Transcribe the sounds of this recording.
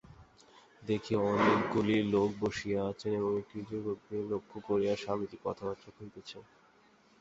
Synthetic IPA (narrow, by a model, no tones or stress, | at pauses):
d̪ekʰieɔnikɡulilok̚boʃiaat͡ɕʰeneboŋekid͡ʑoɡoɡːelokʰːokoɾejaʃamit̪ikɔ̰t̪ʰabat̪ːɾokʰoit̪et͡ɕʰen